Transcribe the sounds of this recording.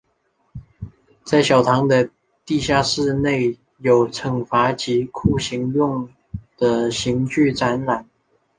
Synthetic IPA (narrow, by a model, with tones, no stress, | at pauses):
t͡sa˥˩ɪɕjɑ˨˩ʊt̪ʰɑ˧˥ŋd̪ə˧ | t̪i˥˧ɕja˥˧ʂɻ̩˥˧ne˥˩ɪ | jo˨˩ʊʈ͡ʂʰɤ˨˩ŋfa˧˥t͡ɕi˧˥kʰu˥˩ɕi˧˥ŋjʊ˥˩ŋ | d̪̥ə˨ɕi˧˥ŋt͡ɕy˥˩ʈ͡ʂa˧˥nɻa˨˩˦n